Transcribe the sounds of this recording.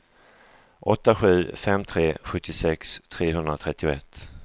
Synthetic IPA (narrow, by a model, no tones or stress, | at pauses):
ʔɔt̪ːaɧʉ̟ːfɛmt̪ʰɾeːɧɵt̪ʰːɪsɛkst̪ʰɾeːɦɵnd̪ɾat̪ʰɾɛt̪ːɪʊɛt̪ː